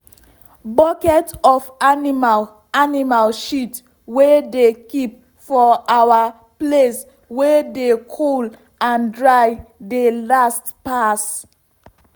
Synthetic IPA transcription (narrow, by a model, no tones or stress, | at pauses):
bɔkɛtɔfanimal | animalʃit | wedekip̚ | fɔawa | ples | wedekʰul | ãndɹajdelastpas